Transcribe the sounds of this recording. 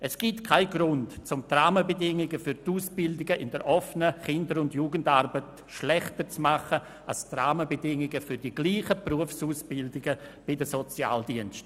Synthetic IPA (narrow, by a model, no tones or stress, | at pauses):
ɛsɡ̥itkʰaɪɡɾʊntt͡sʊmtraːməbədɪŋɪɡəfʏɾtuːsb̥ɪldɪɡəʔɪndɛɾʔɔfnəχɪndəɾʊndjuːɡəndarbət | ʃlɛχtəɾt͡smaχə | astraːməbedɪŋɪɡəfʏɾdiɡ̥liːχəpruəfsuːsb̥ɪldɪɡəb̥ɪdəsɔt͡sja̰ːldiənst